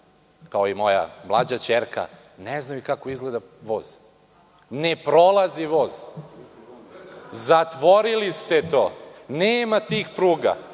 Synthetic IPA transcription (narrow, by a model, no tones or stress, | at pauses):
kaoimo̞ja̰mlˠad͡ʑat͡ɕeɾka̰ | neznajukakoizɡled̪a | ʋoːz̥ | nepɾolˠaziʋoz | zat̪ʋoɾilist̪et̪oːneːmat̪iːxpɾuːɡa̰